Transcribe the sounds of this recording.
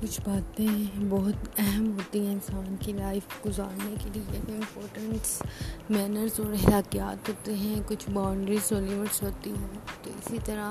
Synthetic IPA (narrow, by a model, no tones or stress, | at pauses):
kʊt͡ʃʰbaːt̪ẽbɔɦʊt̪ɛɦɛmɦoːt̪iɦɛ̃ɪnsaːnkilaːɪfɡʊzaːɾnekelieɪ̃mpɔːɾʈə̃ɳʈsmɛːnəɾzɔːɾɦɛlaːkijaːt̪ɦoːt̪eɦɛ̃kʊt͡ʃʰbaːɳɖɾizoːlɪmɪʈsɦoːt̪iɦɛ̃t̪o̰ɪ̰sit̪ɐɾa